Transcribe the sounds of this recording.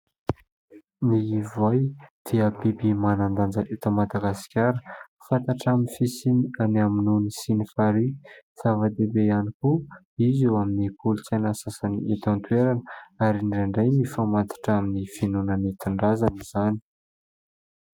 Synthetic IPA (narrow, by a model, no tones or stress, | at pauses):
niːvajd̪̥iəbibimanand̪and͡zəʔit̪əmad̪aɡaskʲaɾə | fant̪aʈ͡ʂaminifisinianaminunisinifaɾiz̥avad̪ebeaniku | izewaminipʰulut͡sanasasaniʔit̪ant̪weɾanəaɾiɳɖ͡ʐeɳɖ͡ʐajmifamant̪ḁʈ͡ʂaminifinunənit̪iɳɖ͡ʐazaniz̥ani̥